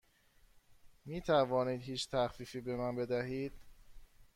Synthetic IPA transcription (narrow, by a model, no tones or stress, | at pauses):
miːt̪ʰævɒːniːd̪hiːt͡ʃt̪ʰæxfiːfiːbe̞mænbe̞d̪æɦiːd̪̥